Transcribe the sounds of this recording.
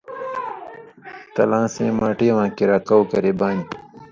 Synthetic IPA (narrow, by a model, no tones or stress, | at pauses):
t̪ɐ̰lãːsẽːmaːʈiwãːkiɾaːkɐwkɐɾebaːn